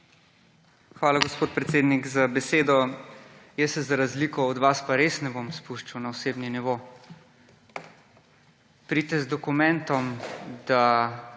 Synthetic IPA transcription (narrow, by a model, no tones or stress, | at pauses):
xʋaːlaɡɔspoːt̪̚pɾɛt̪seːd̪nikzabɛseːd̪ɔ | jɛsɛzaɾazliːkɔɔd̪ʋaspaɾesnɛbomspuʃt͡ʃawnaɔseːbniniʋo | pɾit̪ɛzd̪ɔkumɛ̃nt̪ɔmd̪a